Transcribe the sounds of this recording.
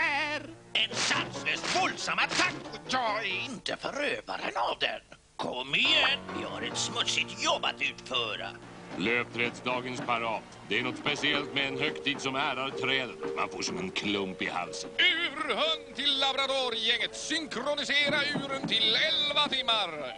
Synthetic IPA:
æɾɛnsansløːst̪vɔld̪samːat̪ʰak̪jɪnt̪əfœɾøːva̰ɾə̰navd̪ɛ̰n | kʰɔmːɪjɛnɪha̰ɾɛt̪smɵt̪sɪt̪jɔbːa̰t̪ʉ̟ːt̪fœːɾa̰ | løːpt̪ʰɾɛd̪sd̪ɑːɡənspʰaɾɑːt̪ | d̪ɛæɳnɔt̪spɛsɪɛlt̪mɛɛnɦœkt̪ʰiːd̪sɔmæːɾaɾt̪ʰɾɛːd̪ət̪ma̰nfoːʂɔmɛnkʰlɵmpɪha̰lsənʉːɾhœnt̪ʰɪlːabɾat̪uːɾjɛŋːət̪sʏŋkʰɾʊnɪseːɾaʉːɾənt̪ʰɪlɛlvat̪ʰɪmːaɾ

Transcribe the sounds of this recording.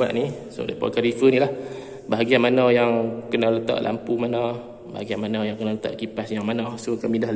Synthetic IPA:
a̰ʔniso̰da̰pɔ̰kaɾifənilah | baɦaɡianmanajaŋkənalət̪a̰ʔlʔa̰mpumana | ba̰ɦaɡianmanɔjaŋkənalət̪a̰ʔkipasjaŋmanahsokamidah

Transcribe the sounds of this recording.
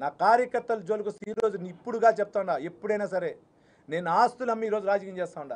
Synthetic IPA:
naːkaːɾjɐkɐɾt̪ːɐlɐd͡ʒoːlukusiːɾo̞ːd͡ʒunipːuɽuɡaːt͡ʃɛp̚t̪aːuɳɖaːepːuɽɐjnaːsɐɾeː | ne̞ːnuaːst̪ulɐmːiːɾo̞ːd͡ʒuɾaːd͡ʒɐkɐɲt͡ʃɛːst̪aːuɳɖa̰ː

